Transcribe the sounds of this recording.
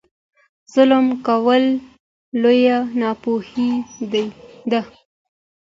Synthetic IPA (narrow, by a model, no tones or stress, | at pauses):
z̥ʊləmkawəlː | ojanɑpohid̪ajd̪a